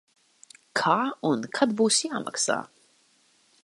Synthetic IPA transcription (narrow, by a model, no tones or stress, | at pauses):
kʰaːunkʰat̪buːsjaːma̰ksa̰ː